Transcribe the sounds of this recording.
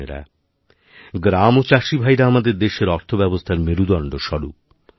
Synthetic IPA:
ḛɾa̰ | ɡɾamot͡ɕaʃibʱajɾaamad̪eɾd̪eʃeɾɔɾt̪ʰobɛbost̪ʰaɾmeɾud̪ɔɳɖoʃɔɾup

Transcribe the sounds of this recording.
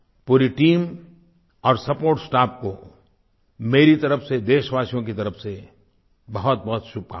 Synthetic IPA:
puːɾiʈiːm | ɔːɾsɐpoːɾʈsʈaːpko | meːɾit̪ɐɾəfsed̪eːʃʋaːsijõk̬it̪ɐɾəfse | bɐɦʊt̪̚bɐɦʊt̪ʃʊb̚ka̰ː

